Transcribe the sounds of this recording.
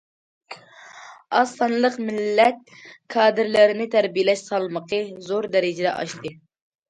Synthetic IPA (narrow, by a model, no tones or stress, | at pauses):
ɑst̪ɑnlˠəqmɪlːɛt̪̚kʰɑːd̪ɪɾlɪɾɪnɪt̪ʰæɾbijɪlɛʃsɑlˠməqʰəzoɾd̪ɛɾɪd͡ʒɪd̪ɛ̰ʔɑ̰ʃt̪ɨ